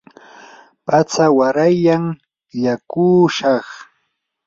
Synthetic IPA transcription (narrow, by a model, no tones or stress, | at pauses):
pat͡sawaɾajaŋ | jakuːʃɑχ